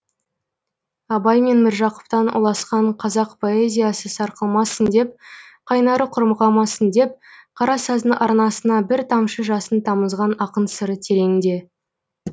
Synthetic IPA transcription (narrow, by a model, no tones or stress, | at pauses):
ɑbɑjme̞nmɪɾʒɑqʊ̥pt̪ɑnṵlˠɑsqɑɴqʰɑzɑqpʰo̞e̞zʲijasəsɑɾqəlˠmɑsənd̪e̞p̚qʰɑjnɑɾəqʰʊɾməʁɑmɑsənd̪e̞p̚qʰɑɾɑsɑzəʔɑɾnɑsənɑbɪɾt̪ʰɑmʃəʒɑsənt̪ʰɑməzʁɑnɑqənsəɾət̪ʰe̞ɾe̞ŋɪnd̪e̞